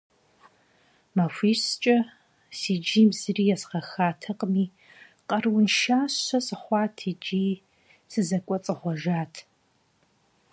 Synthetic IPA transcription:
mɐfʷiːst͡ʃʼɐ | sid͡ʒiːmzɨriːjɛsχɐxaːtʰɐqʼmiː | qʼɐrwʊnʃaːɕɐsɨχʷɑːtʰid͡ʒiː | sɨzɐkʷʼɔt͡sʼɨχʷɔʒaːtʰ

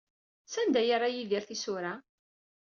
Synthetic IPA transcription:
sænd̪æjaɾˤajiðiɾθisʊɾa

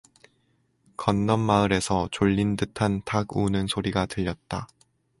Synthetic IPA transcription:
kʌnːʌnmaɯɾe̞sʰʌt͡ɕoʎːindɯtʰantaɡunɯnsʰoɾiɡatɯʎːʌt̚t͈a

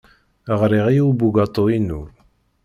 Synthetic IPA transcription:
əʁɾiʁijuwbuɡɑt̪ˤːoinʊɾ

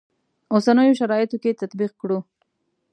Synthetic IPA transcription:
osanəjoʃaɾɑjɪt̪oket̪at̪biqkɽu

